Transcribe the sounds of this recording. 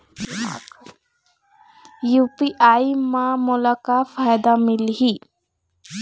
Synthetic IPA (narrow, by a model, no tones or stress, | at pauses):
jupiʔaimãmʊlakafajd̪amilɦi